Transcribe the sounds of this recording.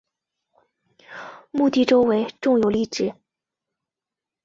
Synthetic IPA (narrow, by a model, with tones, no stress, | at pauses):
mu˥˧t̪i˥˩ʈ͡ʂo˥ʊwe˧˥ɪʈ͡ʂʊ˥˩ŋjo˨˩ʊli˥˩ʈ͡ʂɻ̩˨˩